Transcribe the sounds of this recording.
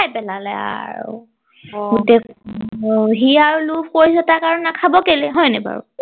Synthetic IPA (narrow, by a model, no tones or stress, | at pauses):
ajpɛlalɛ̰a̰ɹṵ | ɡutɛ | ɦiaɹulufʰkoɹis̬ɛtakaɹunakʰabɔkelɛɦɔjnɛba̰ɹṵ